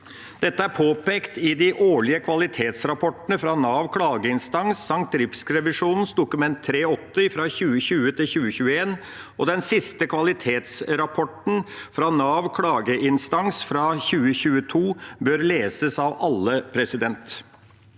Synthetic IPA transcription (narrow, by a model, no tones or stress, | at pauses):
d̪̥ɛt̪ːəæɾpʰoːpeːkt̪ɪd̪ɪʔoːɭɪəkʰʋɑlɪt̪ʰeːt̪sɾɑpʰɔʈnəfɾɑnɑːʋkʰɽɑːɡəɪnst̪ɑŋsːɑŋt̪ɾɪpskɾɛʋɪʂuːnn̩sd̪ʊkʉmɛnt̪ʰːɾeːɔt̪ːəɪfɾɑçʉːəɕʉːət̪ʰɪlçʉːəçʉːəeːn | ɔd̪ɛnsɪst̪əkʰʋɑlɪt̪ʰeːt̪sɾɑpʰɔʈn̩fɾɑnɑːʋkʰɽɑːɡəʔɪnst̪ɑŋsfɾɑːçʉːəçʉːət̪ʰuːbøːɾleːsəsɑʋɑlːəpʰɾɛsɪd̪ɛnt̪